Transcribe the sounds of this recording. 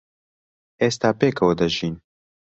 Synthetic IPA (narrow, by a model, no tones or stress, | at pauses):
eːst̪aːpeːkɐwəd̪ɐʒiːn